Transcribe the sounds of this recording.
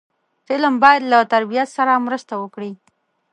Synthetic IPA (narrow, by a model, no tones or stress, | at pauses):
fɪlambɑjad̪lat̪aɾbijat̪saɾamɾəst̪awəkɽi